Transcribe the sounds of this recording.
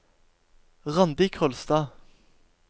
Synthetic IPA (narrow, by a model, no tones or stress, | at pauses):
ʁɑnd̪ɪːkʰɔlst̪ɑː